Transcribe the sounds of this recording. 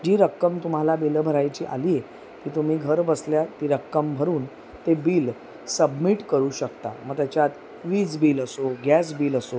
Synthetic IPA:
d͡ʑiːɾəkːəmt̪um̤alabilbʱəɾajt͡ɕiːʔa̰liːe | k̪iːt̪um̤iːɡʱəɾbəsljat̪iɾəkːəmbʱəɾuːn | t̪ebiːl | səbmiʈkəɾuːɕəkt̪a̰məɡ̚t̪jat͡ɕjat̪ | ʋiːd͡zbiːləsoɡjɛs̬biːləso

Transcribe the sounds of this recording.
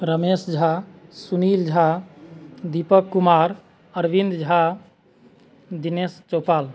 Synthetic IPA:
ɾəmesd͡ʒʱasunild͡ʒʱa | d̪ipəkːumaɾ | əɾbind̪d͡ʒʱa | d̪inest͡ʃopaːl

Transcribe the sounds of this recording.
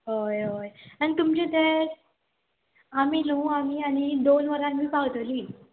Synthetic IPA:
ɦojojañit̪umt͡ɕid̪əɾ | amiːnoamiːaɽ̃id̪onʋəɾanmiːpaɡt̪liː

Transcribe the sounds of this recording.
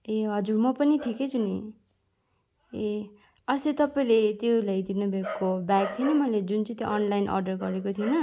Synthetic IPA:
eɦʌd͡zurmʌpʌniʈʰiket͡sʰunḭ | e | ʌset̪ʌpaĩlet̪jolajd̪inʌbʱakkːobakt̪ʰienʌmʌjled͡zunt͡sʌ̃t̪jo̰ʔʌnlajnʔʌ̰rɖʌrɡʌɾekot̪ʰienʌ

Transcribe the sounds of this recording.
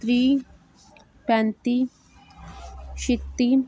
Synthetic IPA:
t̪ɾiː | pɛnt̪i | ʃit̪ːi

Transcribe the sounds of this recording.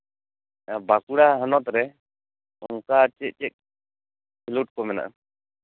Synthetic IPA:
bakuɽaɦənɔt̪̚ɾɛ | ɔŋkat͡ʃɛʔ̚ˀt͡ʃɛk̚ | pʰiluʈ̚kɔmɛna̰ʔa

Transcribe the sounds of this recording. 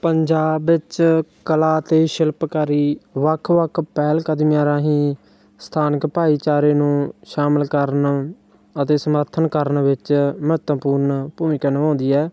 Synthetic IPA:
pəɲd͡ʒaːbɪt͡ʃkəlaːt̪eːʃɪlpkəɾiːʋəkʰːʋəkʰpɛːlkəd̪mɪjaːɾãːɦĩː | st̪ʰaːnəkpaːiːt͡ʃaːɾeːnũːʃaːməlkəɾn | ət̪eːsəməɾt̪ʰənkəɾnʋɪt͡ʃməət̪əpuːɾnpuːmɪkənəʋãːnd̪iːɛː

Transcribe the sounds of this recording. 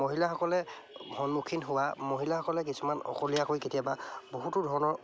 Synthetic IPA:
moɦilaxɔkɔlɛhɔnukʰinɦʊwamoɦilahɔkɔlɛk̬isumanɔ̰kolijakojketijababoɦutʊdʱɔɹɔnɔɹ

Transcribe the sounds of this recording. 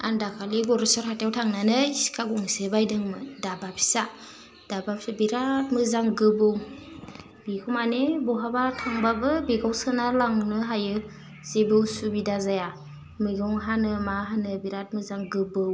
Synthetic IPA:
a̰ndakʰaliɡɔɾesɔɾɦatawtʰaŋnanɯiskʰaɡɔŋsɯbajdɯŋmɯdabapʰi̥sa | d̥abapabiɾat̚mɯzaŋɡɯbɯw | b̥ikʰumanebɔɦabatʰaŋbabɯbiɡawsɯnalaŋnɯɦajɯ | z̥ebɯwsubidazaja | mɯɡɔŋɦanɯmaɦanɯbiɾat̚mɯzaŋɡɯbɯw

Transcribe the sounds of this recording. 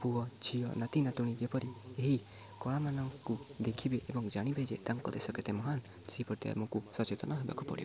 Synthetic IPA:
puɔt͡ʃʰijɔnat̪inat̪uɽ̃id͡ʒepɔɾieɦi | kɔɭ̃amanɔŋkud̪ekʰibeʔebɔŋd͡ʒaɽ̃ibed͡ʒet̪aŋkɔt̪ɛsɔkɛt̪ɛmɔɦan | siipɔɾt̪ɛ̰mɔkusɔt͡ʃet̪ɔnɔɦeba̰kupɔ̰ɽḭbe

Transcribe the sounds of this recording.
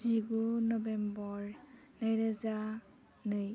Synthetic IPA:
ziɡunɔbembɔɹ | najɾəza | nɯj

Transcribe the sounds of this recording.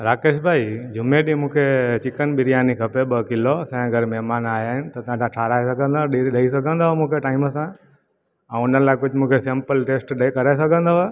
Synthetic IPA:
ɾaːkeːʃbʱaːid͡ʑʱʊmeɗĩmũːkʰet͡ɕɪkənɓɪɾijaːnikʰɐpeɓɐkɪlosɛ̃ɐɡəɾmɛɦmaːnaːɦjaːɦɪnɪ̆t̪ɐt̪ɐãtãʈʰaːɾaːesɐɡʱə̃nd̪aɗiɗɐisɐɡʱə̃nd̪amũːkʰeʈaːɪməsã | ɛ̃ʊnəlaːkʊd͡ʑʱmũːkʰesẽmpəlʈeːsʈɗkɐɾaes̬ɐɡʱə̃nd̪a

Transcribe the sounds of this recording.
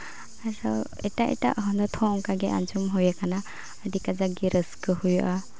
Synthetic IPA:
aɾɔ | ɛ̰taʔɛ̰ta̰ʔɦɔlɔt̪ʰɔɔŋkaɡɛʔa̰nzumɦɔjakana | ədikazaɡiɾʔəskɯhujʔa

